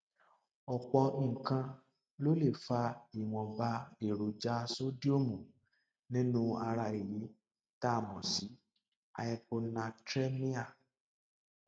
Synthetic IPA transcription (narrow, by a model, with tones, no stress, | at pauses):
ɔ˨k͡pɔ̃˧˦˨kã˧ | lo˦le˦˨fa˧i˨w̃ɔ̃˨ba˧e˨ɾo˨d͡ʒa˦so˦di˦o˦˨mũ˨ | nĩ˦nũ˦a˧ɾa˧i˨ji˨˦ | ta˦˨mɔ̃˨si˨˦ | a̰˧jɛ˧k͡po˧nã˧tɾɛ˦mĩ˦a˦˨